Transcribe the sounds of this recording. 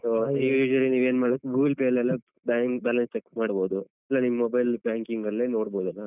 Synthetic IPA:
souːd͡ʒʋɐliniːʋeːnmaːɽokːɡuːɡlpeːlɛlːɐ | ɖajmbaːlɐnsʈ̪ekmaːɽbo̞ːd̪u | ɐlːɐnimɐmɔbɐjlbjaːŋkiŋɡɐlːeno̞ːɽboːd̪ɐlːɐ

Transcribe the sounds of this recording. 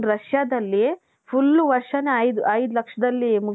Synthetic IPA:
ɾɐʂjad̪ɐlːi | pʰulːuʋɐɾʂɐneɐjd̪uʔɐjd̪ulɐkʂɐd̪ɐlːimu

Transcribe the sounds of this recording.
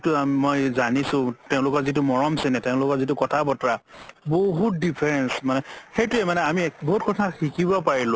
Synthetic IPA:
tʊamojzanisʊ̃teʊ̃lʊkɔzitʊmɔɹɔmsɛnɛteʊ̃lʊkɔɹzitʊkɔtʰabɔtɔɹaboɦut̚dipʰɛɹɛnsmanɛxejtʊɛmanɛamiboɦut̚kɔtʰaxikibɔpaɹilʊ̃

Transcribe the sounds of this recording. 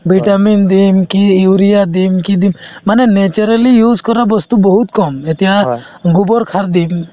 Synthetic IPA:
biʈamind̪imkiːwɾijad̪imkid̪imːanɛnet͡ʃɔɾalijud͡ʒkɔɾabɔst̪ubɔɦut̪̚kɔmet̪ɛja | ɡubɔɾkʰaɾd̪im

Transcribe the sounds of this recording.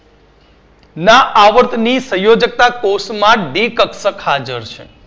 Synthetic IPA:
nãʔaʋəɾt̪nisə̃jod͡ʒək̚t̪akosmãɖikəksəkɦad͡ʒəɾt͡ʃʰḛ

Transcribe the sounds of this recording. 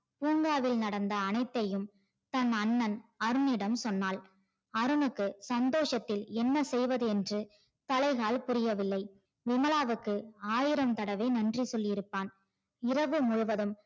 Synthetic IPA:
puːŋɡaːʋɪlnɐɽɐnd̪ɐːnɐɪt̪ːɐjɯm | t̪ɐnɐnːɐnɐɾɯnɪɽɐmsɔnːaːl | ɐɾɯnɯkːɯsɐnd̪oːʂɐt̪ːɪlɛnːɐsɛjʋɐðɯɛndrɯ | t̪ɐlɐɪɣaːlpʊɾɪjɐʋɪlːɐɪ | ʋɪmɐlaːʋɯkːɯaːjɪɾɐmt̪ɐɽɐʋeːnɐndrisɔlːɪjɪɾɯpːaːn | ɪrɐʋɯmʊɻʊʋɐðɯm

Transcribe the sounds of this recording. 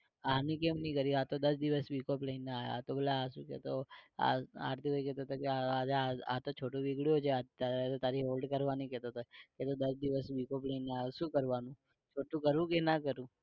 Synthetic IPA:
anĩkemnəĩkəɾiat̪od̪əsd̪iʋəsʋikopləineaa̰t̪obəleaʃṵ̃kḛt̪oa̰a̰ɾt̪ʰikojkɛt̪ot̪ʰokeaad͡ʒaa̰t̪ot͡ʃʰoʈũʋiɡɭiot͡ʃʰeat̪at̪ot̪aɾiɦolɖkəɾʋanikɛt̪ot̪ʰoeket̪od̪əsd̪iʋəsʋikopləineaʃũːkəɾʋanũ | t͡ʃʰoʈũkəɾʋũkenakəɾũ

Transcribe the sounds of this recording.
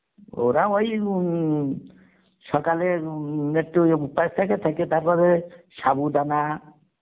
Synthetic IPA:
o̰wɾaɔj | sɔkaleneʈːuupajst̪ʰaket̪ʰaket̪aɾpɔɾesabud̪ana

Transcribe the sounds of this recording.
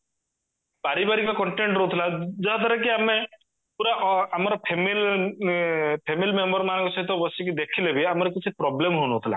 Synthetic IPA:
paɾibaɾikɔkɔɳʈeɳʈɾɔɦut̪ʰilad͡ʒɔɦat̪aɾak̬iame | puɾaʔamɔɾɔpʰemil | pʰemilmembɔɾmanɔŋkɔsɔɦit̪ɔbɔsɔkid̪ekʰilebiamɔɾɔkit͡ʃʰipɾɔblemɦonut̪ʰila̰

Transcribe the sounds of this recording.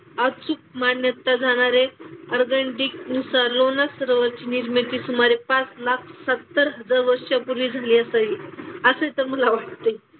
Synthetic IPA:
ət͡suk̚manjət̪ad͡zʱaɽ̃aɾeəɾɡəɳʈik̚nusaɾlonasəɾʋəɾt͡ɕiːniɾmet̪iːsumaɾepat͡slakʰsət̪ːəɾɦəd͡zaɾʋəɾʂjapuɾiːd͡zʱaliːəsəiəsət̪əɾməlaʋaʈ̚t̪e

